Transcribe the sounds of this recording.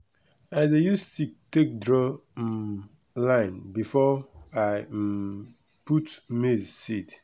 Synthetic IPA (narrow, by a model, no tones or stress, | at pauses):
aɪdejustutek̚dɹɔ | lãɪ̃nbifɔaɪ | putmizsit